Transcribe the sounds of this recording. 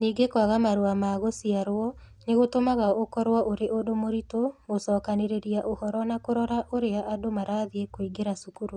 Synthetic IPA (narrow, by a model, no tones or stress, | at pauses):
niːɡekwaɣamaɾoamaːɣosiaɾwɔ | neɣotomaɣaʔokɔɾwaʔoɾeʔodomoɾitoɣosɔːkaneɾeɾiaʔohɔɾɔnakoɾɔɾaʔoɾeaʔadomaɾaðiekoiɡeɾasukuɾu